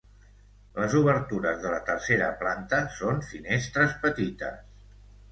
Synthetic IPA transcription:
ləzuβəɾt̪uɾəzðələt̪ərseɾə̰plant̪əsonfinest̪ɾəspət̪it̪ə̰s

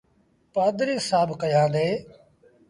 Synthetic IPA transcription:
paːd̪ɾiːsaːbʱkəjãːd̪eː

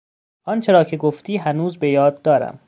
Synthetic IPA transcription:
ʔɒːnt͡ʃʰe̞ɾɒːcʰe̞ɡoft̪iːɦænuːzbejɒːd̪ːɒːɾæ̰m

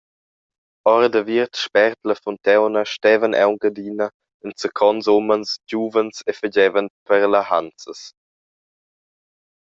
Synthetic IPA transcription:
ɔɾədəviɾtʃpɛɾtləfɔntɛwnəʃtɛvənʔɛ̰wɡədiːnə | ənsəkʰɔnzomənsd͡ʒuːvənsefəɟɛvənpəɾlahant͡səs

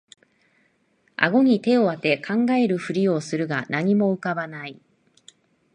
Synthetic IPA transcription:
a̰ɡo̞ɲ̟it̪e̞o̞βat̪e̞kʰãŋɡae̞ɾɯ̟ɸɯ̟ɾʲio̞sɨɾɯ̟ɡanaɲ̟imo̞ɯ̟kabanai

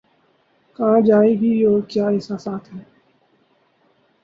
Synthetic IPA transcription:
kãːd͡ʒaːiːbʱiːoːɾkjaːɪsaːsaːt̪ʰɦɛː

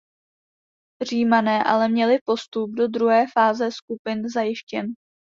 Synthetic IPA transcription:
r̝iːmanɛːʔa̰lɛmɲɛlɪpo̞st̪ub̚do̞dɾuɦɛːfaːzɛskupɪnzajɪʃcɛn

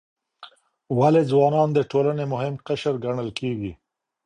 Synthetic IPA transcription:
waled͡zwɑnɑnd̪əʈolanemʊhɪmqaʃəɾɡaɳəlkeɡi

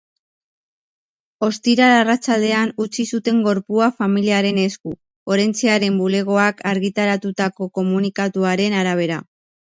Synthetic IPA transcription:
o̞st̪iɾaɾarat͡ʃald̪e̞anut͡sisut̪e̞ŋɡo̞ɾpuafamiliaɾe̞ne̞sku | o̞ɾe̞nt͡seaɾe̞mbule̞ɣ̞o̞akʰaɾɣit̪aɾat̪ut̪ako̞ko̞munikat̪uaɾe̞naɾaβ̞e̞ɾa

